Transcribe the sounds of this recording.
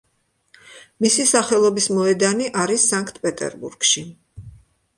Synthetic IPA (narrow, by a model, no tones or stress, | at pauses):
misisaχɛlˠɔbismɔɛd̪aniʔaɾisːaŋkʰt̪ʰpʼɛt̪ʼɛ̰ɾbṵɾɡ̥ʃi